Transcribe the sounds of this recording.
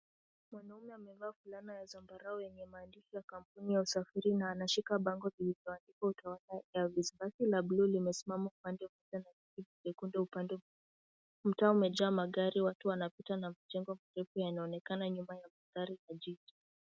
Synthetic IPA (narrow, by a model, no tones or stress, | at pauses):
mwanaumɛamɛvaːfulanajazambaɾaɔjɛɲɛmaːndiʃɔjakam̩punijausafiɾinaːnaʃikaɓaŋɡɔvilivjɔanikwautawalajavizibasilablulimɛsimamaupandɛvɛzɛnavikivid͡ʒɛkundɛupandɛ | m̩taumɛd͡ʒaːmaɠaɾiwatuwanapitanamad͡ʒɛŋɡwamaɾɛfujanaɔnɛkanaɲumajamaðaɾijad͡ʒid͡ʒi